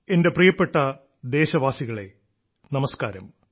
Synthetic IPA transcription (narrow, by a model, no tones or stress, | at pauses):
e̞nde̞prijɐpːe̞ʈːɐ | d̪e̞ːɕɐʋaːsiɣɐɭe̞̰ | nɐmɐskaːɾɐm